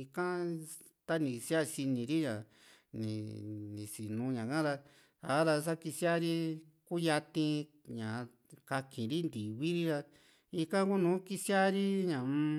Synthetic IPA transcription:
i˧kã˦ | t̪a˦nĩ˧sja˦si˧nĩ˨ɾi˦ɲã˨ | nḭ̃˨nĩ˨si˨nũ˨˧˦ɲã˨kã˦ɾa˧ | a˨˦ɾa˧s̬a˦ki˧sja˦ɾi˦ | ku˦ja˧t̪ĩ˧ | ɲã˨˧ | ka˧kʰĩ˨ɾi˦nd̪i˨βi˦ɾi˦ɾa˧ | i˧kã˦ku˦nũː˨˦ki˦sja˦ɾi˦ɲã˨˧

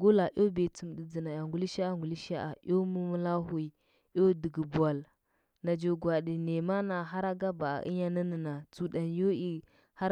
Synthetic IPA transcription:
ɡo˦la˨ʔo˦be˨t͡su˨m˨di˨d͡zi˨na˨ja˨ŋɡu˨˦li˦ʃa˦a˦ŋɡu˨li˦ʃa˦ʔa̰˨ʔo˦mu˦mə˦la˦hu˦˨i˨ | jo˦di˨ɡə˨ba˨l | na˨d͡ʒo˨ɡwa˨di˨ne˨ma˦na˨ɦa˦ɾa˦ɡa˦ba˨a̰˨ʔḭ˦ɲa˦na˦nə˨na˨t͡su˨da˨njo˦i˨ | ha˦

